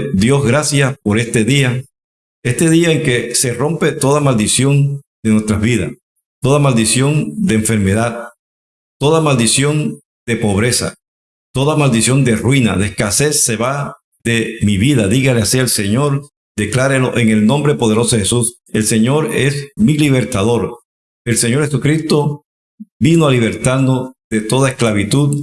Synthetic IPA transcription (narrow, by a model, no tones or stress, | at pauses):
ðjo̞sɣɾasjapo̞ɾe̞st̪e̞ðia | e̞st̪e̞ðiaeŋke̞se̞ro̞mpe̞t̪o̞ðamald̪isjo̞n | d̪̥e̞nwe̞st̪ɾazβiða̰s | t̪o̞ðamald̪isjo̞nd̪eːɱfe̞ɾme̞ðað | t̪o̞ðamald̪isjo̞n | d̪̥e̞po̞βɾe̞sa̰ | t̪o̞ðamald̪isjo̞nd̪erwina̰ðeeskase̞sːe̞βa | ðe̞miβiðaðiɣaleasielse̞ɲo̞ɾ | d̪e̞klaɾeloʔe̞ŋe̞lnõ̞mbɾe̞po̞ð̞eɾo̞soehesus | e̞lse̞ɲo̞ɾe̞smiliβ̞e̞ɾt̪aðo̞ɾ | e̞lse̞ɲoɾhesukɾist̪o̞ | binoaliβ̞e̞ɾt̪aɾno̞ðe̞t̪o̞ðaesklaβit̪uð